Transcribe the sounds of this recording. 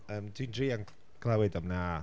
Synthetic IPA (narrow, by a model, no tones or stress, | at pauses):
əːmdʰwindriːan | kʰlawɛdamna